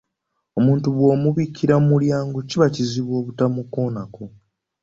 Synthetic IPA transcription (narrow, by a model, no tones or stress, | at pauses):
omuːntuβwo̞ːmuβikʰːiɾamuljaːŋɡociβaciziβwo̞ːβutamuko̞ːnako